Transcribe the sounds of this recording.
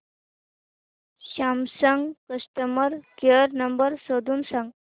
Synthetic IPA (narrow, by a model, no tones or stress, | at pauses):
ɕamsəŋɡkəst̪əməɾkeəɾnəmbəɾsod̪uːnsãŋɡ